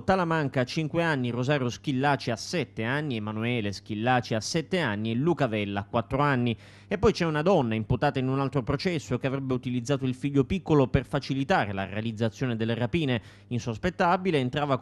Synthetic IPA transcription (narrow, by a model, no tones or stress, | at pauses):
t̪alamaŋkaːt͡ʃiŋkweanːirozaːɾjosk̟ilːaːt͡ʃiasːɛt̪ːeanːiemanuɛːlesk̟ilːaːt͡ʃiasːɛt̪ːeanːielukavɛlːaːkːwat̪ːɾoanːi | epːɔjt͡ʃɛunad̪ɔnːaimput̪aːt̪ainunalt̪ɾopɾot͡ʃɛsːokeavɾɛbːeut̪ilid̪zːaːt̪oilfiʎːopikːoloperfat͡ʃilit̪aːɾela̰realid̪zːat̪sːjoːned̪elːerapiːne | insospet̪ːabileːnt̪ɾaːva